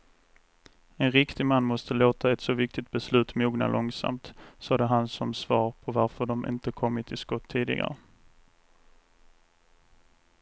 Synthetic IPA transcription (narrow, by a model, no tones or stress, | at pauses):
ɛnɾɪkt̪ɪmanːmɔst̪əloːt̪aɛt̪sɔvɪk̚t̪ɪt̪̚bɛslʉ̟ːt̪muːɡna̰lʔɔŋsa̰mt̪sɑːd̪əɦansɔmsvɑːɾpʰɔvaɾfœɖɔmʔɪ̰nt̪əkʰɔmːɪt̪ʰːɪskɔt̪ʰːiːd̪ɪ̰ɡa̰ɾə